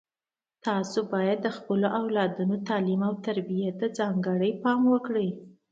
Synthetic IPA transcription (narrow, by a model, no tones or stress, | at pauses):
t̪ɑsobɑjad̪ːəxpəloʔawlɑd̪unot̪ɑlimawt̪aɾbijat̪əd͡zɑŋɡəɽəjpɑmwəkɽəj